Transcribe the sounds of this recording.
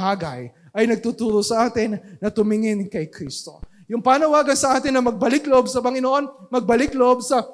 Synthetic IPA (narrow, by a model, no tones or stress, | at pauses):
aːɡɐj | ʔɐjnɐɡ̚t̪ut̪uːɾosɐʔaːt̪ɪnːɐt̪ʊmɪŋɪnkɐjkɾist̪o̞̰ | jʊŋpaːnɐwaːɡɐnsɐʔaːt̪ɪnːɐmɐɡ̚bɐlɪkloʔobsɐpɐŋɪnoʔo̞nmɐɡ̚bɐlɪkloʔobsɐ